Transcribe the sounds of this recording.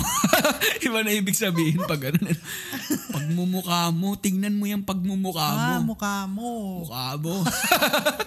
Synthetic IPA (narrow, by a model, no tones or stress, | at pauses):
ʔɪbɐnɐʔiːbɪɡsɐbiːhɪnpɐɡʔɐnonɐnopɐɡ̚mʊmʊkaːmo̞t̪ɪŋnɐnmojɐŋpɐɡ̚mʊmʊkaːmomʊkaːmoʊkaːmo